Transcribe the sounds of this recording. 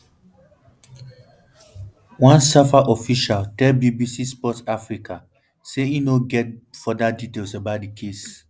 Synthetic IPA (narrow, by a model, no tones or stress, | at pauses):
wãnsafaʔɔfiʃaltɛlbibisispɔtafɹikʰa | seinoɡɛt̚fɔdaditelsabat̚dikʰes